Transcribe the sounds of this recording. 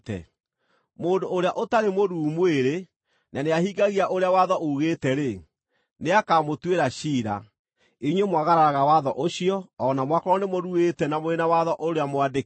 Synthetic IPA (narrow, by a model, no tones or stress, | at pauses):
tɛ̰ | moːndoːɾeaʔotaɾemoɾuːmweɾe | naneaɦiɡaɣiaʔoɾeawaðɔʔouɣetɛɾe | neakaːmotweɾaɕiːɾa̰ | eɲwemwaɣaɾaɾaɣawaðɔʔoɕiɔːnamwakɔɾɔnemoɾuɣetɛnamoenawaðɔʔoɾeamowade